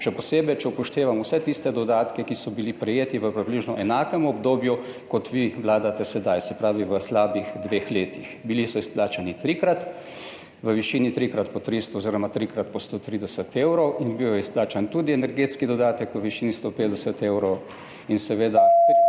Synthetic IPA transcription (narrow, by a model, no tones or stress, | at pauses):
ʃɛpɔseːbɛjt͡ʃɛupɔʃt̪eːʋamusɛt̪ist̪ɛd̪ɔd̪aːt̪kɛkisɔbilipɾɛjeːt̪iʋəpɾibliːʒnɔʔɛnaːkɛmɔbd̪oːbjukɔt̪ʋiʋlaːd̪at̪ɛsɛd̪ajsɛpɾaːʋiʋəslaːbixd̪ʋeːxleːt̪ixbilisɔisplaːt͡ʃanit̪ɾikɾat̪ | ʋəʋiʃinit̪ɾikɾat̪pɔt̪ɾist̪ɔːziɾɔmat̪ɾikɾat̪̚pɔst̪ot̪ɾiːd̪ɛsət̪eːwɾɔwinbijɔisplaːt͡ʃant̪ud̪iɛnɛɾɡeːt̪skid̪ɔd̪aːt̪ɛkʋəʋiʃiːnist̪opeːd̪ɛsət̪eːwɾɔw | insɛʋeːd̪a